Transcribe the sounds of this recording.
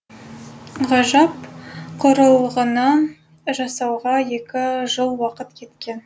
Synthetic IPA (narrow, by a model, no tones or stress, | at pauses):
ʁɑʒɑpqʰoɾɑlˠʁənɑ | ʒɑsɑwʁɑje̞kʲɪʒəlˠwɑqət̪kʲʰe̞t̪kʲe̞n